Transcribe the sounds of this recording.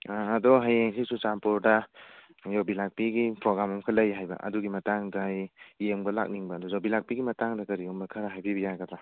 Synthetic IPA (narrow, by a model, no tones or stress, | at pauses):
aːdɔɦajeŋsʰisut͡ʃampɔɾda | jɔbilak̚piɡipɾɔɡɾamamkʰalajɦajba̰ʔɐ̰duɡimɐtaŋdajːeŋbɐla̰k̚niŋbaːdɔzɔbilak̚piɡimɐtaŋdakɐɾiɔmbɐkʰɐɾaɦajbibɐjaɡad̪ɾa